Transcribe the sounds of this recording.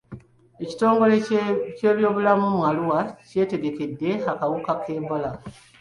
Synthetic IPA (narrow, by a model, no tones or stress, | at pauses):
e̞ci̥to̞ːŋɡo̞lece̞ːβjo̞ːβulamumwaluwace̞ːte̞ɡe̞ke̞dːe̞akawukake̞ːmbola